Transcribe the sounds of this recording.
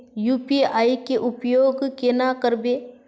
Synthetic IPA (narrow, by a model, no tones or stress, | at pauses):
juːpiaːikeʔʊpjoːɡkenakəɾbe